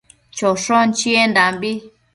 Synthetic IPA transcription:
t͡ʃoʂõnt͡ʃiendambi

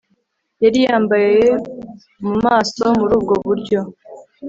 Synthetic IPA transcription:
jaɾijaːmbajeje̞ | mumaːso̞muɾuːb̚ɡo̞βuɾɟo̞

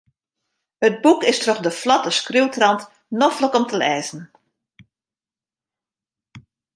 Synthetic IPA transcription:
həd̚bukɪstrɔχdəflɑtəskrywtrɑnt | nɔfləkɔmtəlɛ̰ːzən̩

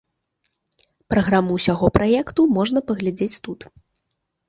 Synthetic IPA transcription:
pɾɐɣɾamɨwsʲaɣɔpɾʔajɛkt̪umɔʐnɐpɐɣlʲad͡zʲet͡sʲt̪ut̪

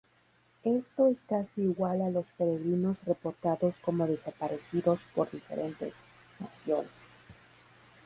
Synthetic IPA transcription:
e̞st̪o̞e̞skasiːɣwalalo̞spe̞ɾe̞ɣɾino̞zre̞po̞ɾt̪aðo̞sko̞mo̞ðe̞sapaɾe̞siðo̞spo̞ɾðife̞̰ɾʔe̞nt̪e̞̰z | na̰sjo̞nes

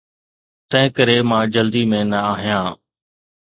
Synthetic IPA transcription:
t̪ɐ̃ɦɪ̃kəɾemãːd͡ʑəld̪imẽnɐaːɦijãː

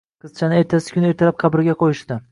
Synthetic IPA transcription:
qʰɨz̥t͡ʃʰanɪe̞ɾt̪ʰasɪ̥kʲʰʊne̞ɾt̪ʰalap̚qʰɑbɪɾɪɡʲaqʰojɪʃt̪ɪ

